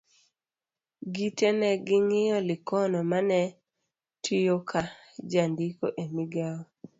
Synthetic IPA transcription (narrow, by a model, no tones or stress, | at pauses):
ɡitenɛɡɪŋɪjɔlɪkɔnɔmanɛ | tʰɪjokʰad͡ʒandiko̰ʔemiɡaɔ